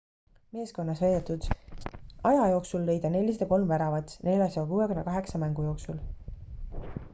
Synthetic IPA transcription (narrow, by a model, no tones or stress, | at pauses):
me̞ːsko̞nːɑsvejd̪et̪ːˑud̪̥ | ɑjɑjo̞ːksulːe̞jd̪ɑne̞lʲːis̬t̪eko̞lmvæɾɑvɑt̪sne̞lʲjɑsɑɡɑkuːwekynːɑkɑɦe̞ksɑmæŋɡ̥ujo̞ːksul